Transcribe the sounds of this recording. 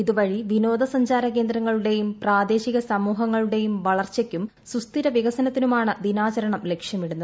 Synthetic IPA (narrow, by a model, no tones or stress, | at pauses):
iðuʋɐɻiʋino̞ːd̪ɐsɐɲd͡ʑaːɾɐke̞ːnd̪ɾɐŋːɐɭuɽe̞jumpraːd̪e̞ːɕiɣɐsɐmuːɦɐŋːɐɭuɽe̞jumʋɐɭɐrt͡ɕekʲːum | sust̪iɾɐʋiɣɐsɐnɐt̪ːinumaːɳɨd̪inaːt͡ɕɐɾɐɳɐmle̞kʂjɐmiɽunːɐð